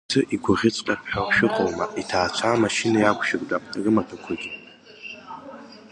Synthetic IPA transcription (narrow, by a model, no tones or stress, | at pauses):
tʰɨʔiɡʷʊʁʲɪt͡sʷʼkʼapħaʁʃɪqʼəlmaʔitʰaːt͡ɕʷʰaːmaʃinajakʷʰʼʃɪrʼdarɨmatʰakʷʰaɡʲʼɪ